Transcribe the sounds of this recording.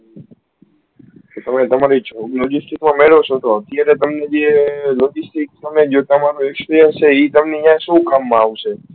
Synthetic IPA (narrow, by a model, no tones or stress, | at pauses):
t̪ot̪əmẽt̪əmaɾit͡ʃʰoɡlod͡ʒisʈikmãmeɭot͡ʃʰõt̪oət̪jaɾet̪əmned͡ʒelod͡ʒisʈikt̪əmed͡ʒot̪əmaɾoekspiɾijənst͡ʃʰeit̪əmniãsũkamːãaʋʃʰe